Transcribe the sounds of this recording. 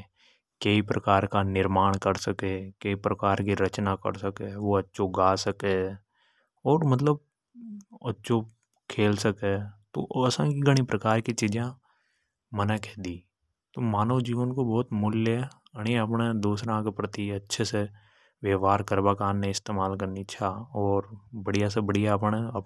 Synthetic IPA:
keipɾəkaːɾkanɪɾmaːɽ̃kəɾsəkekeipɾəkaːɾkiɾət͡ʃnakə̰ɾsəkeʋoɐtːʃoɡaːsəke | ɔːɾmət̪̬ləb̚ | ɐtːʃo | kʰeːlsəket̪o̰əsãkiɡəɽ̃ipɾəkaːɾkit͡ʃiːd͡ʒã | mənakʰɛːd̪iː | t̪oːmaːnoːd͡ʒiənkobɔːt̪mʊljɛ | əɽ̃iəp̬ned̪uːsɾãkepɾət̪iɐtːʃʰese | ʋjəːʋaːɾkəɾbaːkaːnːeɪst̪eːmaːlkəɾnit͡ʃʰaɔːɾbəɽijas̬ebəɽijapɳ̃e

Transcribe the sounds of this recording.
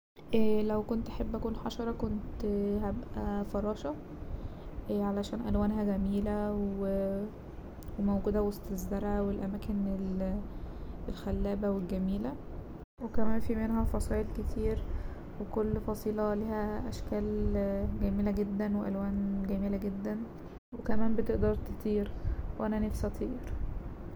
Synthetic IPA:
ʔlæwkont̪ʔaħebːʔækuːnħɑʃɑɾˤɑkont̪hæbʔæfɑɾˤɑːʃɑ | ʕalæʃæːnʔælwæːnɦæɡæmiːlæwe | wemowɡuːd̪æwest̪ezd̪ɑɾˤhæwelʔæmæːkenel | elxælːæːbæwelɡæmiːlæ | wekæmæːnfimenɦæfɑsˤɑːʔelket̪ʰiːɾ | wekolːfɑsˤiːlɑliːhæʔæʃkæːlɡæmiːlæɡed̪ːænweʔælwæːnɡæmiːlæɡed̪ːæn | wekæmæːmbet̪eʔd̪ɑɾˤt̪e̥t̪ʰˤiːɾweʔænænefsæt̪ʰˤiːɾ

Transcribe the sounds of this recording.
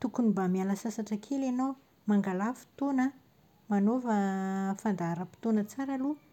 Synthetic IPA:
t̪ukunibamialəsasaʈ͡ʂəkʰelenow | maŋɡalafi̥t̪onə | manovəfand̪aaɾəpi̥t̪onət͡saɾalu

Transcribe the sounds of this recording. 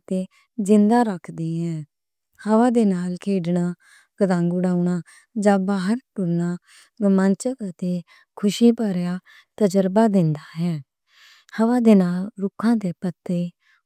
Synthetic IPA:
t̪eː | d͡ʒɪnd̪aːɾəkʰd̪iːɛ̃ː | həʋaːd̪eːnaːlkʰeːɖnaː | kəd̪ãːŋɡʊɽaːuɳaː | d͡ʒãːbaːɦəɾʈʊɾnaː | mənt͡ʃəkət̪eː | kʰʊʃiːpəɾjaː | t̪əd͡ʒəɾbaːd̪ɪnd̪aːɦɛː | həʋaːd̪eːnaːlːʊkʰãːd̪eːpət̪eː

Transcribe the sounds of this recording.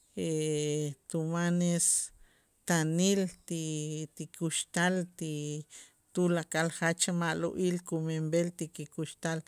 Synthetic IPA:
e | t̪umanes | t̪anilt̪it̪ikuʃt̪alt̪i | t̪ulakʼalχat͡ʃamaʔloʔiːlkumembelt̪ikikuʃt̪al

